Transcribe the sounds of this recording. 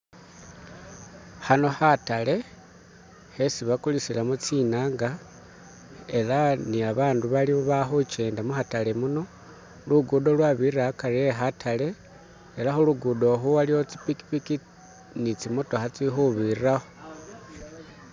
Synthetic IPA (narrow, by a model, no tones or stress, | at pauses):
hano̞hatale̞ | he̞siβakulisilamot͡sinaːŋɡa | e̞laniaβaːnduβalimuβaxut͡ʃe̞ːndamuxatale̞muno̞ | luɡudo̞lwaβirakaɾieɦatʰale̞ː | laxoluɡudo̞xuwalihot͡si̥piki̥piki | nit͡simoto̞xat͡sixuβiraxo